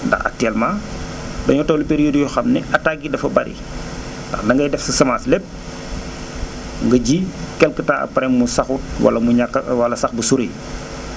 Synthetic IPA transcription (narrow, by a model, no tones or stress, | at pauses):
ndɐ̰xɐ̰tɛːlmaːdɐɲɔtɔwlipeɾijoːdjɔxɐmnɛʔɐtːaɡidɐfɐbɐ̰ɾʔḭ | tdɐxdɐŋɡɐjdɛfsɐsɐmaːslɛp̚ | ŋɡɐɟikɛlkətaːɐ̰pɐɾɛŋmusɐxut̚wɐ̰lɐmuɲakːɐwɐlɐsɐxbusuɾe